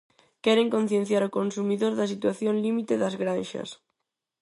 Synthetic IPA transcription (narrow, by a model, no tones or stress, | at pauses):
kɛɾeŋkon̟θjenθjaɾokonsumiðoɾðɐs̬it̪waθjonlimit̪eðazɣɾanʃɐ̰s